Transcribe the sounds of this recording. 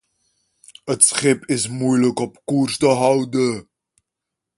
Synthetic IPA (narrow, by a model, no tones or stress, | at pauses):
ətsχɪpɪsmujləkɔpkuːrstəɦʌwdə